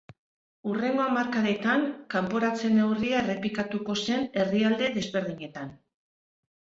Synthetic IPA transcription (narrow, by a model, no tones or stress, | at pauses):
ure̞ŋɡo̞amaɾkaɾe̞t̪aŋkampo̞ɾat͡se̞ne̞wriaere̞pikat̪uko̞se̞ne̞riald̪e̞ðe̞zβe̞ɾð̞iɲe̞t̪an